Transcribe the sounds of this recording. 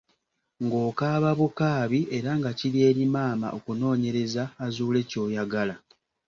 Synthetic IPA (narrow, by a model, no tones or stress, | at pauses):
ŋɡo̞ːkaːβaβukaːβiʔe̞ɾaŋɡacilje̞ːɾimaːma̰ʔokuno̞ːɲe̞ɾe̞zaːzuːle̞ːco̞ːjaɡala